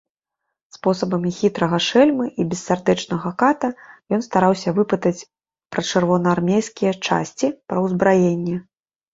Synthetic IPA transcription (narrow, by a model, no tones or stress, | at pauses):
spɔsɐbɐmʲixʲit̪ɾɐɣɐʂɛlʲmɨʔibʲɛsːard̪ɛt͡ʂnɐɣɐkat̪ɐjɔn̪st̪aɾawsʲɐvɨpɨt̪ɐt͡sʲ | pɾɐt͡ʂɨrvɔnɐːrmʲejskʲijɐt͡ʂa̰sʲt͡sʲipɾɐwzbɾajenʲːɛ